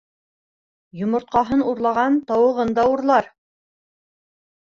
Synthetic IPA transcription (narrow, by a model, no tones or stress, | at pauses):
jŏmŏɾt̪̚qɑɦɤnuɾlˠɑʁɑnt̪ɑwɤ̆ʁɤnd̪ɑuɾlˠɑɾ